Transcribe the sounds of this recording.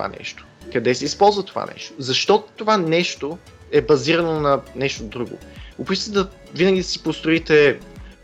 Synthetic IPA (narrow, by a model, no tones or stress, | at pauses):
a̰nɛ̰ʃt̪o̥kɐd̪ɛsɛispɔlˠzvət̪ova̰nɛ̰ʃt̪ozɐʃt̪ɔt̪t̪ːovanɛʃt̪o | ɛbɐziɾɐnonɐnɛʃt̪od̪ɾuɡʊ̰ʊxot̪it̪ɛd̪ɐ | vinəɡʲid̪ɐsi̥post̪ɾʊit̪ɛ